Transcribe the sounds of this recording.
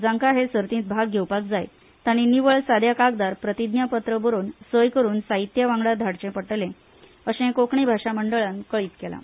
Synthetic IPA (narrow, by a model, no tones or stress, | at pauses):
d͡zãŋkaɦesəɾt̪ĩːt̪̚bʱaɡ̚ɡʱewpakd͡zaj | t̪añiːniʋəɭsad̪ʱjakak̚d̪aɾpɾət̪id̪njapət̪ɾəbəɾoːnsəjkəɾuːnsait̪jaʋãŋɡɭad̪ʱaɽt͡ɕẽpəʈlẽ | əɕẽkokɳibʱaʂaməɳɖəɭankəɭiːt̪kela̰